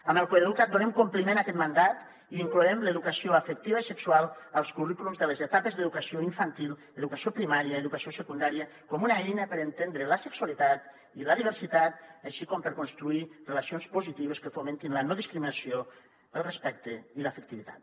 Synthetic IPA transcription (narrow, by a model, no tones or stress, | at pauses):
əməlˠkoeðeðukat̪̚d̪unemkumplimẽnakɛt̪mand̪at̪ | iiŋkluɛmleðukasioəfək̚t̪iβəisəkswalˠəlˠskurikulumzðəlezet̪apezðəðukasioiɱfant̪ilˠ | eðukasiopɾimaɾiəeðukasiosəkund̪aɾiə | kɔmunaɛjnəpəɾent̪end̪ɾeləsəksualit̪at̪ | iləðiβəɾsit̪at̪aʃikɔmpəɾkonst̪ɾuirelasionspuzit̪iβəskəfomẽnt̪inlənoðiskɾiminasio | əlˠrespɛkt̪eiləːfək̚t̪iβit̪a̰t̪̚